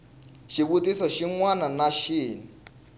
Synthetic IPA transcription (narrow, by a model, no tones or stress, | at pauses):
ʃiβutʼisɔʃiŋwananaʃiːni